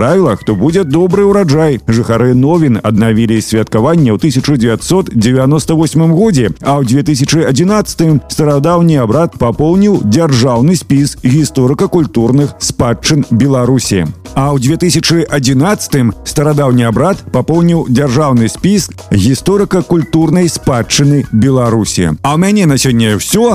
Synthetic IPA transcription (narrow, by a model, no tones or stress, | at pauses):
ɾavʲilˠɐxt̪ɔbud͡zʲɛd̪ɔbɾɨwɾad͡ʐajʐɨxaɾɨnɔvʲinɐ̰d̪navʲilʲisʲvʲɐt̪̚kavanʲːɛwt̪ɨsʲɐt͡ʂɨd͡zʲɛvʲat̪ʲsɔt̪d͡zʲɛvʲanɔst̪ɐvɔsʲmɨmɣɔd͡zʲɛɐwd͡zʲvʲɛt̪ɨs̬ʲɐt͡ʂɨɐd͡zʲinat̪sɐ̥t̪ɨmst̪ɐɾad̪awnʲiabɾat̪̚papɔwnʲiwd͡zʲarʐawnɨsʲpʲisɣʲist̪ɔɾɨkɐkulʲt̪uɾnɨxspat͡ʂːɨnbʲɛlˠaɾusʲiɛ̰ɐwd͡zʲvʲɛt̪ɨsʲɐt͡ʂɨʔɐd͡zʲinat̪sɐ̥t̪ɨmst̪ɐɾad̪awnʲiabɾat̪papɔwnʲiwd͡zʲarʐawnɨsʲpʲisk | ɣʲist̪ɔɾɨkɐkulʲt̪urnɐjspat͡ʂːɨnɨbʲɛlˠaɾusʲḭɐwmʲanʲɛnasʲɔnʲːɐjɛwsʲɔ